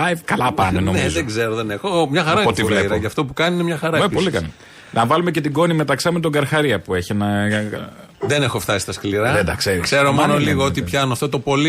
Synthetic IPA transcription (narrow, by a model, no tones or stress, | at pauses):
ɐkɐlɐpɐ̰neno̞nezoeɡzeɾoðenexomɲɐxɐɾɐiot̪ivlepɐoɐft̪o̞pukɐniinemɲɐxɐɾɐepolikɐnɐ | nɐvɐlume̞ce̞t̪iɡo̞nime̞t̪ɐksɐmet̪o̞ŋɡɐɾxɐɾiɐpue̞çienɐ | ðenexoft̪ɐsi̥st̪ɐskliɾɐðend̪ɐkse̞ɾikseɾomonoliɣoot̪ipçɐnoɐft̪ot̪o̞poli